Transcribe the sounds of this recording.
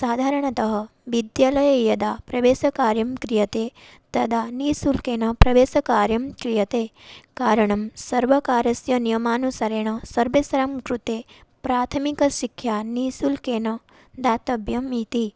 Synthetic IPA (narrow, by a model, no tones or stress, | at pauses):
saːd̪ʱaːɾəɳ̃ɐt̪ɐɦɐ | ʋid̪jaːlɐjɐjɐd̪apɾɐʋeːsɐkaːɾjɐmkɾijɐt̪e | t̪ɐd̪aniːsulkeːnɐpɾɐʋeːsɐkaːɾjɐmkɾijɐt̪ekaːɾɐɳ̃ɐmsɐɾʋɐkaːɾɐsjɐnijɐmaːnusɐɾeɳ̃ɐsɐɾʋesɐɾɐmkɾut̪epɾaːt̪ʰɐmikɐʃikʰːjanisulkeːnɐ | d̪at̪ɐbjɐmit̪i